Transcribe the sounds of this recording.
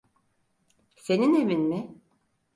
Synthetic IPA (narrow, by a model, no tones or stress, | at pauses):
se̞ninevinmɪ